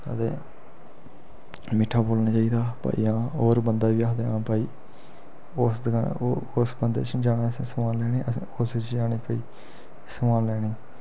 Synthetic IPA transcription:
ə̰t̪ḛː | mɪʈʰːaːboːlnaːt͡ʃaːiːd̪aːpa̰ːḭːãːoːɾbənd̪aːʋiːaːd̪eaːnãːpaːiː | oːsd̪aosbənd̪ḛːt͡ʃːd͡ʒaːɽaːsĩːsəmaːllɛːɽeːʔəs | ost͡ʃd͡ʒaːneːpaːiː | səmaːllɛːɽeː

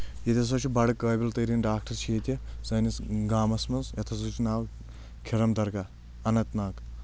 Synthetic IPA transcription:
jɐt̪ʲʰɐs̬ɐt͡ʃʰibɐɽɐkːɐːbʲilt̪ɐɾinɖaːk̚ʈɐɾt͡ʃʰeːt̪ʲjɐzɐnisɡaːmɐsmɐnzjɐt̪ʰɐsɐt͡ʃʰunaːw | kʰiɾɐmd̪ɐɾka | ɐnɐt̪naːk

